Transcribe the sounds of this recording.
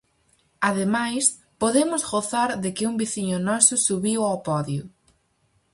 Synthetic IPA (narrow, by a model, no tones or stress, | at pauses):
aðemajs | poðemʊzɣoθaɾðɪkɪumbiθiɲʊnɔsʊsuβiwawpɔðjʊ